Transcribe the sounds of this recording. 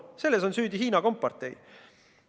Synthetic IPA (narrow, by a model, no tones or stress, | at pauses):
se̞lːeso̞nsyːd̪iɦiːnɑko̞mpːɑrt̪ˑe̞j